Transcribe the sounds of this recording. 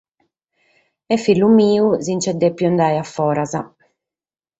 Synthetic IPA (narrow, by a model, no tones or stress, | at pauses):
ɛfːilːumiːuzint͡ʃɛd̪ːɛpːjund̪ajafːɔːɾaza